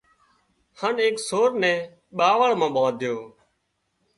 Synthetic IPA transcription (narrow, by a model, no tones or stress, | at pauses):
həneːksoːɾnɛ̃ː | ɓaːʋəɭmãːɓãːd̪ʱɪjoː